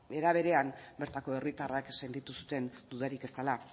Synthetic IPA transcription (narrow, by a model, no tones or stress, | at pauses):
e̞ɾaβ̞e̞ɾe̞ambe̞ɾt̪ako̞e̞rit̪arakse̞nt̪it̪usu̥t̪e̞nd̪uðaɾike̞st̪ala